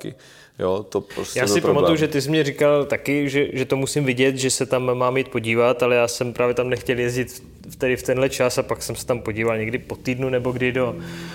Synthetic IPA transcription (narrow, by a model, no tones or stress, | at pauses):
kɪ̰ | jot̪opɾosjaːsɪpɾpamaujuʒɛt̪ɪs̬mɲɛrɪkalt̪akɪʒɛʒɛt̪o̞musɪmvɪɟɛt̪ʒɛsɛt̪amːaːmiːt̪̚po̞ɟiːvat̪alɛjaːsɛmpɾʔaːvjɛt̪amnɛxcɛljɛzɟɪt̪f | ft̪ɛdɪft̪ɛnɦlɛt͡ʃasapaksɛmsɛ̥t̪ampo̞ɟiːvalɲɛɡdɪpo̞t̪iːdnunɛbo̞ɡdɪdo̞